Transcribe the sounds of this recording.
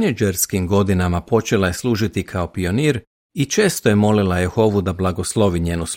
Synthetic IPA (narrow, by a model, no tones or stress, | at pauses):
ned͡ʒeɾskimɡo̞d̪inamapo̞t͡ʃe̞laje̞slˠuːʒit̪ikʰao̞pio̞niːɾ | it͡ʃe̞ːst̪ojemo̞lilajexo̞ʋud̪ablˠaɡoslˠo̞ʋiɲeːnus